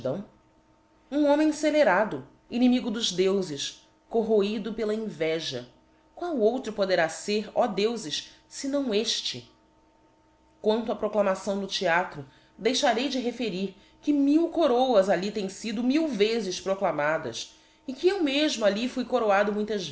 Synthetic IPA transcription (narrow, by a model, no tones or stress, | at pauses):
d̪ɐ̃w̃ | ũõmẽj̃seleɾad̪ʊ | inimiɡʊd̪ʊʒd̪ewzɪʃ | koɦoid̪ʊpelɐĩvɛʒɐ | kwawowt̪ɾʊpod̪eɾaseɾɔd̪ewzɪʃ | sɪnɐ̃w̃eʃt͡ʃɪ | kwɐ̃nt̪ʊɐpɾoklamasɐ̃w̃d̪ʊt͡ʃiat̪ɾʊ | d̪ejʃaɾejd͡ʒɪɦefeɾiɾ | kɪmiwkoɾowɐzalit̪ẽj̃sid̪ʊmiwvezɪspɾoklamad̪ɐ̰s | ɪkɪewmeʒmʊalifujkoɾoad̪ʊmũj̃t̪ɐz